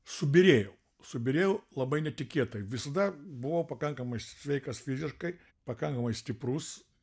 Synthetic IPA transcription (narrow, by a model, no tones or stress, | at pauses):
sʊbʲɪɾʲeːjɛʊ | sʊbʲɪɾʲeːjɛʊlˠɐbɐɪnʲɛt̪ʲɪkʲiːt̪ɐɪʋʲɪsɐd̪ɐbʊʋɐʊpɐkɐŋkɐmɐɪssʲʋʲɛɪkɐsfʲɪzʲɪʃkɐɪ | pɐkɐŋkɐmɐɪsʲt̪ʲɪpɾʊs